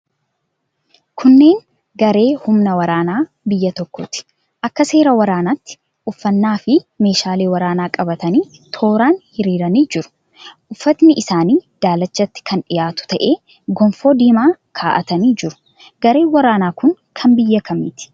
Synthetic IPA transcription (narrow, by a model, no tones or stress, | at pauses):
kʰʊnːe̞ːn | ɡɐɾe̞ːhʊmnɐwɐɾaːnaː | bɪjːɐt̪ɔkːɔːt̪ɪ̥ | ʔɐkːɐse̞ːɾɐwɐɾaːnaːt̪ːɪ̥ | ʔʊfːɐnːaːfɪme̞ːʃaːle̞ːwɐɾaːnaːkʼɐbɐt̪ɐniːt̪ʰo̞ːɾaːnhɪɾiːɾɐniːd͡ʒɪɾʊ̥ | ʔʊfːɐt̪nɪʔɪsaːniːd̪̥aːlɐt͡ʃːɐt̪ːɪ̥kʰɐnᶑɪjaːt̪ʊ̥t̪ɐʔe̞ː | ɡɔmfo̞ːd̪iːmaːkʰaːʔɐt̪ɐniːd͡ʒɪɾʊ̥ | ɡ̥ɐɾe̞ːwɐɾaːnaːkʊŋkʰɐmbɪjːɐkʰɐmḭːt̪ɪ̥